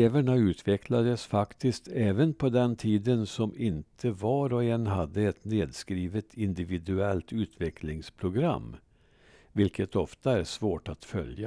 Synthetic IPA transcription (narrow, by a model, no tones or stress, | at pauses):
eːvæɳaʉ̟ːt̪ʰvɛkʰlad̪əsfakt̪ɪskt̪ʰɛːvənpʰɔd̪ɛnt̪ʰiːd̪ənsɔmɪnt̪ʰəvɑːɾɔɛnɦad̪ːəɛt̪neːd̪skɾiːvət̪ʰɪnd̪ɪvɪd̪ɵɛlt̪ʉ̟ːt̪ʰvɛkʰlɪŋspʰɾʊɡɾa̰mː | vɪlkʰət̪ɔft̪aæʂvoːʈat̪fœ̰lja